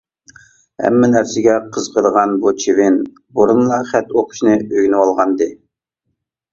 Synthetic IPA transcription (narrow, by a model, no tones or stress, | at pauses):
hɛ̰mːɪnæɾsɪɡʲɛqʰəzqʰəɾəʁɑnbut͡ʃʰivɪn | buɾunlˠɑχɛt̪oqʰʊ̥ʃnɨøɡʲnɪwɑlˠʁɑnd̪ɨ